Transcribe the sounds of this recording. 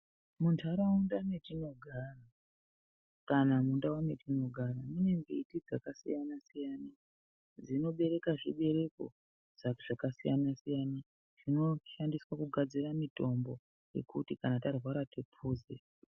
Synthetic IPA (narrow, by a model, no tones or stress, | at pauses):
muntʰaɾaundane̞tino̞ɡʱaːra | kanamundaone̞tino̞ɡʱaɾamune̞ŋɡe̞itid͡zakasḭjanasijaːna | d͡zino̞ɓe̞ɾe̞kaʐiɓe̞ɾe̞ko̞̰ | ʐ̥aʐ̥akasijanasijana | ʐ̥ino̞ʃandiswakuɡʱad͡ziramito̞mbo̞ | je̞̰kutikanatarwaɾatipʰuːzḛ